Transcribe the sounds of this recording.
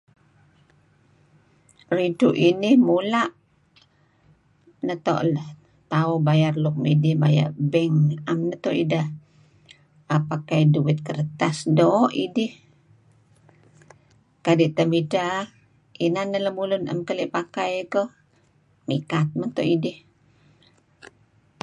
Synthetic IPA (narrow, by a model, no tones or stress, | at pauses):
riduʔinɪhmulaʔ | nət̪ɔ̰ʔləh | t̪aubajarluk̚midɪhbaja̰ʔbɛŋamnət̪ɔʔidəh | ʔapakajduwɪt̪̚kəɾət̪asdoʔidɪh | kadiʔt̪əmida | inanːələhmulʊnə̰mkəliʔpakajkəh | mikat̪̚mənt̪ɔʔidɪh